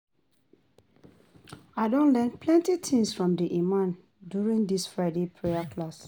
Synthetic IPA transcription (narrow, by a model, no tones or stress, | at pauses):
aɪdõnlɛ̃npʰlɛ̃ntitʰĩŋsfɹɔ̃mdiʔimãn | djuɹĩŋdisfɹaɪdepʰɹeakʰlas